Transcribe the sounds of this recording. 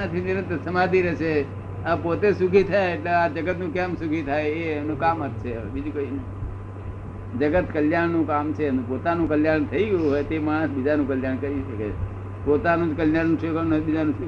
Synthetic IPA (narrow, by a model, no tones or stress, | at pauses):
ət̪ʰient̪səmad̪iɾəʃʰe | apot̪esuɡʱit̪ʰajeːʈlead͡ʒəɡət̪nũkɛ̃msuɡʱit̪ʰajenũkamət̪̚t͡ʃʰebid͡ʒukəinə | d͡ʒəɡət̪kəljaɳnũkamt͡ʃʰenũpot̪anũkəljaɳt̪ʰəiɡəjũɦojt̪emãbid͡ʒanũkəljaɳkəɾiʃəkḛ | pot̪anũkəljanːũt͡ʃʰekənəbid͡ʒanũsu